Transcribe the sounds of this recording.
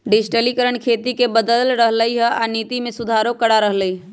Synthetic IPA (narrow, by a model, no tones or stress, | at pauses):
ɖɪd͡ʒʈəlikəɾəɳ̃kʰeːt̪ikebəd̪əllɾəɦləiɦɛaniːt̪imẽsʊd̪ʱaːɾokəɽaɾəɦləi